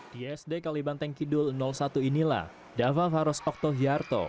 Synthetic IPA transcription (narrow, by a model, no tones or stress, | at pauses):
d̥iɛsdekalibant̪ɛŋkidʊlnɔlsat̪uinila̰h | davafaɾɔsɔk̚t̪ɔviart̪o̰